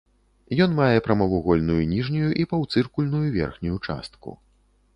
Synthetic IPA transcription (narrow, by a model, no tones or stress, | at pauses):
jɔnmajɛpɾɐmɐvuɣɔlʲnujunʲiʐnʲujuʔipɐwt̪sɨrkulʲnujuvʲɛ̰rxnʲujut͡ʂa̰st̪̚kṵ